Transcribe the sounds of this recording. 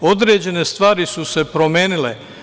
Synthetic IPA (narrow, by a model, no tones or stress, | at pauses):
od̪ɾeːd͡ʑe̞ne̞st̪ʋaːɾisuse̞pɾo̞mjeːnile